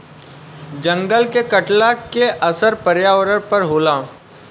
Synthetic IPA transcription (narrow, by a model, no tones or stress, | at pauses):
d͡ʒɐ̃ŋɡəlkekəʈlakeʔɐsəɾpəɾjaːʋəɾəɾpɐɾɦoːlaː